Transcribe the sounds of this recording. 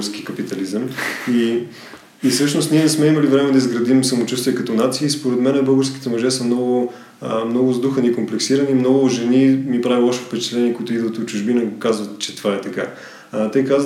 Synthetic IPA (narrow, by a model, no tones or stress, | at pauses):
ɾsk̟ikɐpit̪ɐlizəmi | isɤʃnost̪niɛsmɛiməlivɾɛmɛd̪ɐizɡɾɐd̪imsəmot͡ʃust̪vʲiɛkɐt̪ɔnat̪siːspoɾɛt̪mɛnɛbɤlˠɡəɾsk̟i̥t̪ɛmɐʒɛsəmnɔɡʊ | mnɔɡʊzd̪uxənikomplɛksiɾɐnimnɔɡʊʒɛnimipɾavilˠɔʃt̪o̥pɛt͡ʃɛ̥t̪lɛnʲiɛkoit̪ʊid̪vət̪ot͡ʃʊʒbinəɡokazvət̪t͡ʃɛ̥t̪ovaɛt̪ɐka | t̪ɛjkaz